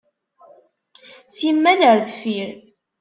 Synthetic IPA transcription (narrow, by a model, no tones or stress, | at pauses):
simːænəɾðfiɾ